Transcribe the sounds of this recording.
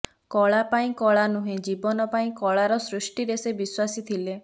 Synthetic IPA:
kɔɭapaĩkɔɭanuɦẽd͡ʒibɔnɔpaĩkɔɭaɾɔsɾusʈiɾesebiswasit̪ʰile

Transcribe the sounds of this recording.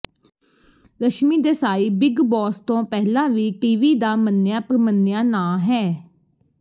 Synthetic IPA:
ɾəʃmiːd̪eːsaːiːbɪɡbɔːst̪õːpɛɦlãːʋiːʈiːʋiːd̪aːmənːɪjaːpəɾmənːɪjaːnãːɦɛː

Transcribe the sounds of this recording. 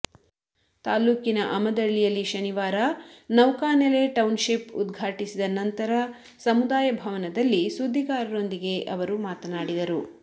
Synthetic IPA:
t̪aːluːkinɐʔɐmɐd̪ɐɭːijɐlːiʃɐniʋaːɾɐnɐwkaːnele̞ʈɐwnʃipṵd̪ɡʱaːʈisid̪ɐnɐnt̪ɐɾɐ | sɐmud̪aːjɐbʱɐʋɐnɐd̪ɐlːisud̪ʱːiɡaːɾɐɾo̞nd̪iɡe̞ʔɐʋɐɾumaːt̪ɐnaːɽid̪ɐɾu

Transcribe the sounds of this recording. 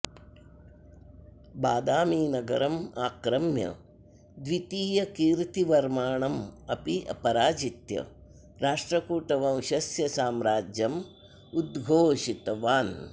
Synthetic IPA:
baːd̪aːmiːnɐɡɐɾɐmaːkɾɐmjɐ̰ | d̪ʋit̪iːjɐkiːɾt̪iʋɐɾmaːɳɐmɐpiɐ̰pɐɾaːd͡ʒit̪jɐ̰ | ɾaːʂʈɾɐkuːʈɐʋɐ̃w̃ʃɐsjɐsaːmɾaːd͡ʒjɐm | ud̪ɡʱoːʃit̪ɐʋaːn

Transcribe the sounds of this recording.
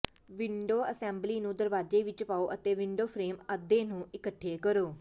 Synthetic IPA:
ʋɪɳɖoːəsɛ̃ːmbliːnũːd̪əɾʋaːd͡ʒeːʋɪt͡ʃpaːoːʔət̪eːʋɪɳɖoːpʰɾeːməd̪ẽːnũːʔɪkəʈʰːeːkəɾoː

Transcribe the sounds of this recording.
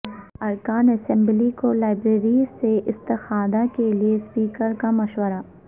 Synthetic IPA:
ɐɾkaːnɛsɛ̃mblikolaːɪbɾeːɾizseʔɪst̪ɪxaːd̪akeliespiːkəɾkamɐʃwəɾa

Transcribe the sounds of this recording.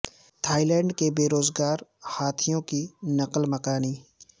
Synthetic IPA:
t̪ʰaːilɛ̃ːɳɖkebeːɾoːzɡaːɾhaːt̪ʰijõkinɐqəlməkaːniː

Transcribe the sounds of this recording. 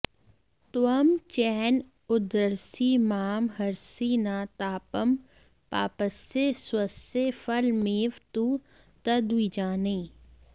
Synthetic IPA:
t̪ɐmt͡ʃɛːn | ʊd̪əɾsimaːmɦɐɾsiːnaːt̪aːpəm | pa̰ːpəseswɐsefɐlmeːʋt̪uː | t̪ɐd̪wid͡ʒaːneː

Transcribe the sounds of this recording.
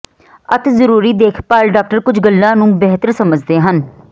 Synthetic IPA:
ət̪zəɾuːɾiːd̪eːkʰpaːlɖaːk̚ʈəɾkʊd͡ʒɡəlːãːnũːbɛɦt̪əɾsəməd͡ʒd̪eːɦən

